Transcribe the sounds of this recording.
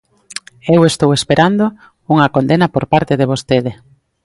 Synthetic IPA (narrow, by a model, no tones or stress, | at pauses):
ewest̪owespeɾʔand̪o | uŋɐkond̪enɐpoɾpaɾt̪eðeβ̞ost̪eðe